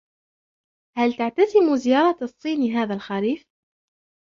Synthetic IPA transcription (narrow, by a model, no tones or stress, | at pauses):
halt̪aʕt̪azɪmʊzɪjɑːɾˤɑsˤːiːnɦaːðalxaɾiːf